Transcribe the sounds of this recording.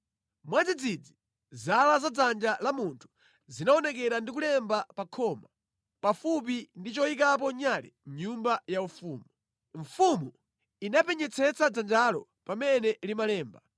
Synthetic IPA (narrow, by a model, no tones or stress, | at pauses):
mwad͡zid͡zid͡zi | zalazad͡zand͡ʒalamuntʰu̥ | zinaɔnɛk̬ɛɾandik̬ulɛmbapakʰɔma | pafup̬indit͡ʃɔik̬ap̬ɔɲalɛ̰m̩ɲumbajaufuːmu | ɱfumu | inapɛɲɛt͡sʰɛt͡sad͡zand͡ʒalɔ | pamɛnɛlimalɛːmba